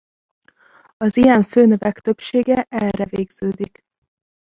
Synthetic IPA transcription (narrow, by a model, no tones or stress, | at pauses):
ɒzijɛɱføːnøvɛkt̪øpʃeːɡɛʔɛlrɛveːɡz̥øːd̪ik